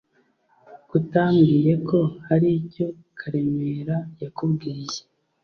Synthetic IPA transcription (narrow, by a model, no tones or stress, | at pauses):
kutaːmɡiːje̞kʰo̞haɾico̞ | kʰaɾe̞meːɾajakubɡiːje